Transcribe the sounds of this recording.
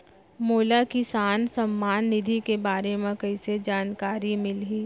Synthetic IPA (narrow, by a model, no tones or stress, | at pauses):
moːlakisaːnsɐmːaːnːɪd̪ʱikebaːɾemẽkɐɪsed͡ʒaːnkaːɾimɪlɦiː